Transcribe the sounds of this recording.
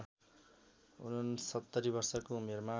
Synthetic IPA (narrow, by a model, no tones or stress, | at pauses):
ṵnʌnsʌt̪ːʌɾibʌrsʌkoumerma